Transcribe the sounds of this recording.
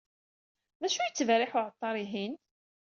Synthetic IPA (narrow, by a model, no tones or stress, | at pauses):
ðæʃujət͡sːəvɾɪħʊʕət̪ˤːɑɾˤiɦin